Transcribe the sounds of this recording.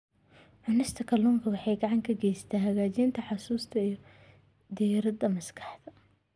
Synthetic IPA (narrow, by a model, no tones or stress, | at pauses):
ʕʊnɪst̪ʰɐkʰɐluːŋkʰɐwɑħɑjɡɐʕɑŋkʰɐɡɛjsɐ̥t̪ʰaːɦɐɣaːt͡ʃiːnt̪ʰɐħɑsuːst̪ʰɐijɞ | d̪ijɾɐd̪ɐmɐskʰɑ̥ħðɐ